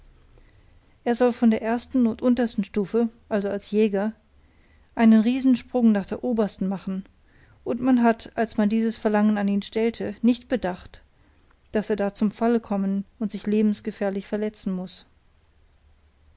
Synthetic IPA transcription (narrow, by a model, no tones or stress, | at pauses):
ʔeːɐzɔlfɔndeːɐʔeːɐstn̩ʊntʔʊntɐstn̩ʃtuːfəʔalzoalsjɛːɡɐ | ʔaɪnənʁiːzn̩ʃpʁ̥ʊŋnaːχd̥eːɐʔoːbɐstn̩maχn̩ | ʔʊntmanɦatʔalsmandiːzəsfɛɐlaŋənaniːnʃtɛltʰənɪçtb̥ədaχt | d̥aseːɐdaːt͡sʊmfaləkʰɔmənʊntz̥ɪçleːbm̩sɡ̥əfɛɐlɪçfɛɐlɛt͡sn̩mʊs